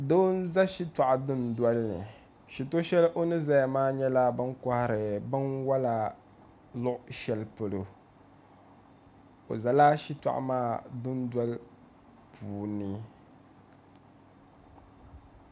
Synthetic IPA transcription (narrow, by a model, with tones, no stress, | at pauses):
doː˦n̩˦za˦ʃi˦ta˨ʔa˨dʊ˦ndwɔ˦lnɨ̰˨ | ʃi˨to˦ʃɛ˦lʔo˦nɨ˦za˦ja˨maː˦ɲɛ˦la˦bɨ˦nka˦hɾɨ˨bɨ˦nwa˦la˨ | lʊ˦ʔʊ˦ʃɛ˦lpo˨lo˨ | o̰˨za˨la˦ʃi˦ta̰˨ʔa̰˨maː˦dʊ˦ndwa˦l | pʰuː˨nɨ˨